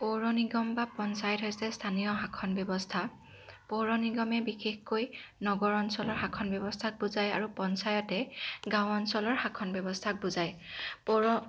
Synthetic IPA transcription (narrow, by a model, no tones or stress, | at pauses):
poɹɔniɡɔmbapɔnsajɔtɦojsɛstʰanijɔɦakʰɔnbjɔbɔstʰa | poɹɔniɡɔmɛbixexkojnɔɡɔɹɔnsɔlɔɹɦakʰɔnbjɔbɔstʰak̚buzajaɹupɔnsajɔtɛɡãwɔnsɔlɔɹhakʰɔnbjɔbɔstʰak̚buzajpoɹɔ